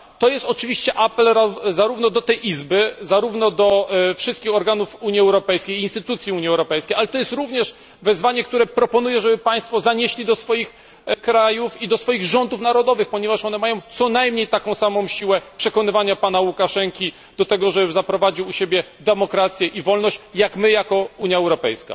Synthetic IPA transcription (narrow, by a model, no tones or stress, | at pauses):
t̪ɔjɛst̪ɔt͡ʂɘvʲiɕt͡ɕɛʔapɛlɾazaɾuvnɔd̪ɔt̪ɛjʔizbɘzaɾuvnɔd̪ɔfʂɨst̪̚kʲixɔɾɡanufuɲiɛwɾɔpɛjskʲejiːnst̪ɘt̪ut̪sʲjiuɲiɛwɾɔpɛjskʲejʔalɛt̪ɔjɛst̪ɾuvɲɛʂ | vɛzvaɲɛkt̪uɾɛpɾɔpɔn̪ujɛʐɛbɘpaj̃st̪fɔzaɲeɕlʲid̪ɔsfɔjix | kɾajufid̪ɔsfɔjiɣʐɔnd̪ufnaɾɔd̪ɔvɘxpɔɲɛvaʂɔnɛmajɔ̃w̃t̪sɔnajmɲejt̪akɔ̃w̃samɔ̃w̃ɕiwɛpʂɛkɔnɘvaɲapan̪awukaʂɛŋkʲi | d̪̥ɔt̪ɛɡɔʐɛbɘzapɾɔvad͡ʑiwuɕebʲjɛd̪ɛmɔkɾat̪sʲjɛʔivɔlnɔɕt͡ɕjakmɘjakɔuɲjaɛwɾɔpɛ̰jska̰